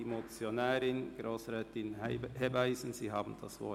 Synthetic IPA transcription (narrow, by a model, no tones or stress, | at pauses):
imot͡sjonɛːɾɪnɡ̥ɾoːsɾɛːtɪnhɛbaɪsn̩ziːɦɑːbn̩d̥ɑ̰svɔ̰ɐ